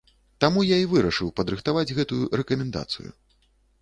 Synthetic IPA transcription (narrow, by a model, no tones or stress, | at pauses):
t̪amujaivɨɾɐʂɨwpɐd̪ɾɨxt̪avad͡zʲɣɛt̪ujuɾɛkɐmʲɛnd̪a̰t̪sɨ̰jṵ